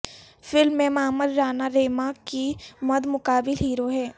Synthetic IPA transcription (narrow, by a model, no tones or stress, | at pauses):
fɪlmːẽmaːməd̪ɾaːnaɾeːmakimɐd̪mʊkaːbɪlɦiːɾoɦɛː